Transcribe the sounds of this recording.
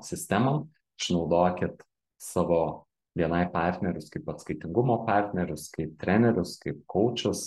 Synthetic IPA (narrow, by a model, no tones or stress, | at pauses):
sʲɪsʲt̪ʲæmo | ʃnɒʊd̪oːkʲɪt̪ | sɑːʋoː | ʋʲiɛnɐɪpɑˑɾʲt̪ʲnʲɛɾʲʊskɐɪpɐt̪skɐɪt̪ʲɪŋɡʊmoːpɑˑɾʲt̪ʲnʲɛɾʲʊskɐɪp̚t̪ʲɾʲæːnʲɛɾʲʊskɐɪp̚kʰɐʊt͡ʃʲʊs